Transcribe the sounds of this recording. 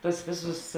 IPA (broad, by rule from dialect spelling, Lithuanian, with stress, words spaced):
ˈtuɔs ˈʋʲeːˌsʊs